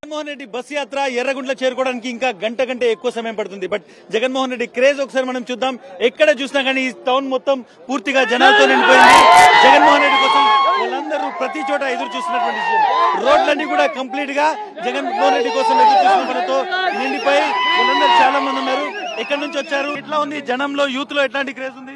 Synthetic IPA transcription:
d͡ʒɡɐnmoːɦɐnɾeɖːibɐsjaːt̪ɾaɛɾːɐɡuɳʈlɐt͡ʃe̞ːɾukɔːɐɽaːnikiːŋkaːɡɐɳʈɐkɐɳʈe̞ːekːuʋɐsɐmeːmpɐɽt̪und̪ibɐʈ̚ | d͡ʒɛɡɐnmoːɦɐnɾeɖːikɾe̞ːd͡ʒɔkɐsaːɾimɐnɐmt͡ʃuːd̪ːaːmɛkːɐɽɐt͡ʃuːsinaːkaːniːʈɐwnmɔt̪ːɐm | puːɾt̪iɡaːd͡ʒɐnaːlɐt̪oneɳipoːjind̪id͡ʒɛɡɐnmɔːɦɐnɾeɖːikɔːsɐmʋɐlɐnd̪ɐɾupɾɐt̪it͡ʃɔːʈ̬ɐed̪ɐɾut͡ʃuːsinːɐʈuʋɐɳʈisɾoːɖlɐɳɖikuːɽaːkɐmpliːʈɡaː | d͡ʒɛɡɐnpɾoːlɾeɖːikɔːsɐmed̪ukt͡ʃuːsinɐmɐnɐt̪o̞ːneɳɖipɐjʋɐlɐnd̪ɐɾut͡ʃaːlaːmɐnd̪unːaːɾuɛkːɐɽɐnuɲt͡ʃiʋɐt͡ʃːaːɾuʈlaːund̪id͡ʒɐnɐmlo̞ːjuːt̪lo̞ɛʈlaːɳʈikɾeːd͡ʒund̪i

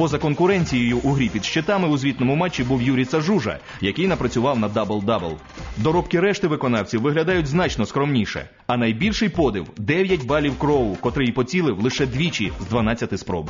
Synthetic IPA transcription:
pɔzɐkɔnkʊɾɛnʲt͡sʲijɛjʊʔʊɦɾʲipʲid̪ʃt͡ʃɪt̪ɑmɪʊzʲʋʲit̪nɔmʊmat͡ʃːibuwjuɾʲijsɐʒuʒɐ̰ | jɐkɪjnɐpɾɐt͡sʲʊʋɑwnɐd̪ɑbɐlˠd̪ɑbɛlˠ | d̪ɔɾɔpkɪɾɛʃt̪ɪʋɪkɔnɑwt͡sʲiwʋɪɦlʲɐd̪ɑjʊtʲznɑt͡ʃnɔskɾɔmnʲiʃɛ̰ | ɐnɐjbʲilʲʃɪjpɔd̪ɪwd̪ɛʋʲjɐtʲbɑlʲiwkɾɔwʊkɔt̪ɾɪjipɔt͡sʲilˠɪwlˠɪʃɛd̪ʲʋʲit͡ʃʲizd̪ʋɐnat͡sʲːɐt̪ɪspɾɔ̰bɪ

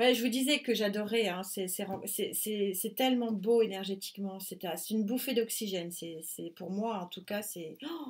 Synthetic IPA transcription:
wɛʒəvud̪izɛkəʒad̪ɔʁɛɛ̃sɛsɛʁɑ̃sɛsɛsɛt̪ɛlmɑ̃boenɛʁʒet̪i̥kmɑ̃sɛt̪ɛ̃sɛt̪ynbufed̪ɔksiʒɛnsɛsɛpuʁmwaɑ̃t̪ukasɛ

